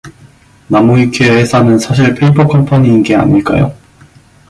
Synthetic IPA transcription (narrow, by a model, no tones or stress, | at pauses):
namoikʰeesʰanɯnsʰaɕ̬ʰiɭpʰeipʰokʰʌmpʰaɲiːnɡe̞a̰ɲiɭk͈a̰jo̰